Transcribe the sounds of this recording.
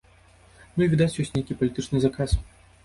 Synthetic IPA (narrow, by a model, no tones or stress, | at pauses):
nuivʲid̪at͡sʲjɔsʲnʲejkʲipɐlʲit̪ɨt͡ʂnɨzakas